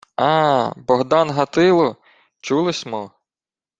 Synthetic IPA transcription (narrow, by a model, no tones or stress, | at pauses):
ɑbɔɦd̪ɑnɦɐt̪ɪlˠɔ | t͡ʃulˠɪsʲmɔ